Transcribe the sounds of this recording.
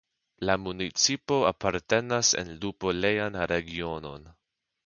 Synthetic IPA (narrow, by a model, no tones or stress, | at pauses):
lamunit͡sipo̞apaɾte̞nase̞̰nlupo̞le̞janɾe̞ɡio̞no̞̰n